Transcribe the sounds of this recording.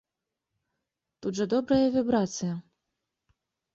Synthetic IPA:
t̪ud̪ʐɐd̪ɔbɾɐjɐvʲɛbɾat̪sɨjɐ

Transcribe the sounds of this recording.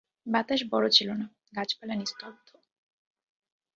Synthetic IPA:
bat̪aʃbɔɽot͡ɕʰilona | ɡat͡ɕpalanist̪ʰob̚t̪ʰo

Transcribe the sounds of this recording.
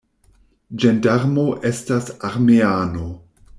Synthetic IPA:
d͡ʒendaɾmo̞ʔe̞stasaɾmeaːno̞

